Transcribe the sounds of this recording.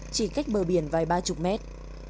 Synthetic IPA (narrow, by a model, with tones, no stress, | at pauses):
t͡ɕi˧˩ka˦˥jk̚ɓəː˨˩ɓi˨˧˩ənvaː˨˩jɓaː˧t͡ɕʊ˨˩k͡p̚mɛ˦˥t̚